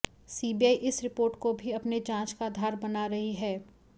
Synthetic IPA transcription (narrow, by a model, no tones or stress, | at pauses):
siːbiaːiʔɪsɾɪpoːɾʈkobʱiɐpned͡ʒãːt͡ʃkaːd̪ʱaːɾbɐnaɾɐɦiɦɛː